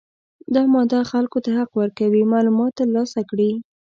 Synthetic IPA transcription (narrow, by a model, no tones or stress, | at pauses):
d̪ɑmɑd̪ɑxalkot̪aɦaqwəɾkawimɑlumɑt̪ːlɑsakɽi